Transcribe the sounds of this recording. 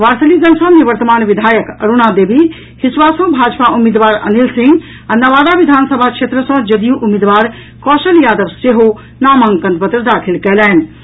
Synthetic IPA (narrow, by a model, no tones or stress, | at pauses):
ʋaɾsəlid͡ʒənsə̃niʋəɾt̪əmaːnʋid̪ʱajəkəɾunad̪ebʱi | hisʋasə̃bʱad͡ʒpaumid̪ʋaːɾə̰nilsĩŋɡ | anəʋad̪aʋid̪ʱansəbʱakt͡ʃʰet̪ɾəsə̃d͡ʒəd̪ijuʔumid̪ʋaːɾ | kɔsəljaːd̪əʋseɦo | naməŋkənt̪̚pət̪ɾəd̪akʰilkɛlɛn